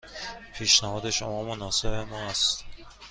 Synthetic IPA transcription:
pʰiːʃnæhɒːd̪e̞ʃomɒːmonɒːsebemɒːæst̪

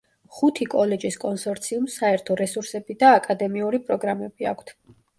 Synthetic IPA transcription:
χut̪ʰikʼɔlɛd͡ʒiskʼɔnsɔɾt̪sʰiumsaɛɾt̪ʰɔɾɛsuɾsɛbid̪aːkʼad̪ɛmiuɾipʼɾɔɡɾamɛb̥ia̰kʷʰt̪ʰ

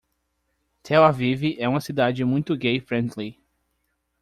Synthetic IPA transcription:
t̪ʰɛwaviviʔɛũmɐsid̪ad͡ʒɪmũj̃t̪ʊɡejfɾẽnt̪li

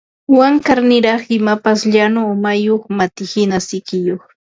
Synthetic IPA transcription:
waŋkaɾnɪɾɑχɪmapasʎanomajoχmat̪ɪhɪnasɪkɪjoχ

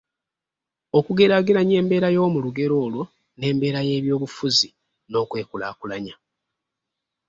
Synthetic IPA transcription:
o̞kuɡe̞ɾaɡeɾaɲe̞ːmbeːɾajo̞ːmuluɡe̞ɾo̞ːlwo | ne̞ːmbe̞ːɾaje̞ːβjo̞ːβufuzi | no̞ːkwe̞ːkula̰ːkulaɲa

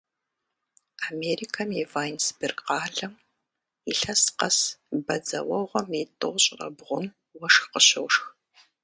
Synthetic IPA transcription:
ameːriːkʰɐmɛvaːjnsbɪrɡqɑːɮɐm | iɬɐsqɐsbɐd͡zɐ̰wɔʁʷɔmitʼɨʁɕʼrɐ̰bʁʷʊm | wɐʂxqəɕɐwʂx

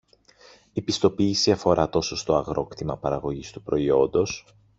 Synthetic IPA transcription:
ipist̪o̞piːsiɐfo̞ɾʔɐt̪o̞so̞st̪o̞ɐɣɾo̞kt̪imɐpɐɾɐɣo̞ʝist̪upɾo̞io̞nd̪o̞s

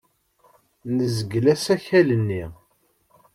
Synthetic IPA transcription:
nəzəɡlæsæçælənːi

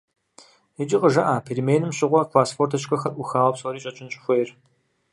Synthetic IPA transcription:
it͡ʃʼɪqʼəʒɐʔaːpʰeɾimeːjnɨmɕɪʁʷɔkʰlaːsfoːrtʰɐʃkʰɐxɐrʔʊxaːwɐpsoːɾiːt͡ʃʼɐt͡ʃʼɪnɕʼɪxʷejr

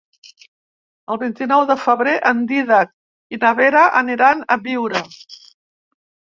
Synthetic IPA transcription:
əlˠβint̪inɔwðəfəβɾeʔənd̪iðak̚ | inəβeɾəʔəniɾanəβiwɾə

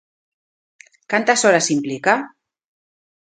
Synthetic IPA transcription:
kant̪asɔɾasimplika

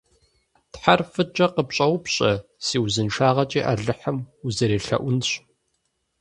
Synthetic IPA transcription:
tħarfɨt͡ʃʼɐqəpɕʼɐwʷʊpɕʼɐsiːwzɨnʃaːʁɐt͡ʃʼiːʔa̰ɮɨħəmuzɐɾeːɬɐ̰ʔʷʊnɕ

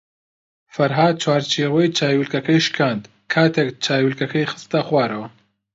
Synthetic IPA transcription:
fɐɾɦaːd̪̚t͡ʃʰwaːɾt͡ʃʰiwɐjt͡ʃʰaːjwilkɐkɐjʃkʰaːnd̪ | kʰaːt̪ʰekt͡ʃʰaːjwilkɐkɐjxɨ̥st̪ɐxwaːɾɐwɐ

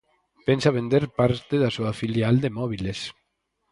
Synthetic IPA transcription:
pensaβ̞end̪eɾpaɾt̪eðasuafiljald̪emɔβ̞iles

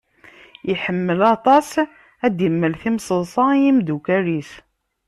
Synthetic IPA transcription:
jiħəmːəlɑt̪ˤɑs | æd̪jəmːəlθimsˤəsˤɑjimd̪ukæɾiθ

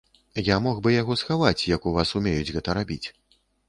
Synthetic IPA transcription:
jamɔɣbɨjaɣɔsxavat͡sʲjɐkuvasumʲejud͡zʲɣɛt̪ɐɾabʲit͡sʲ

